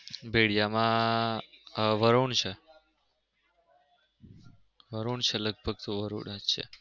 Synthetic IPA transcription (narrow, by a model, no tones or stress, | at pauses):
beɽijamã | ʋəɾoɳt͡ʃʰe | ʋəɾoɳt͡ʃʰeləɡ̚bʱəɡ̚t̪oʋəɾo̰ɳəʃʰḛ